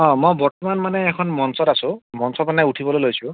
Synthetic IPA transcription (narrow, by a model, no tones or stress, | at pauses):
ɔ̃mojbɔɹtɔmanmanɛːkʰɔnmɔnsɔtasʊ̃mɔnsɔtmanɛuʈʰibɔlojlojsʊ̃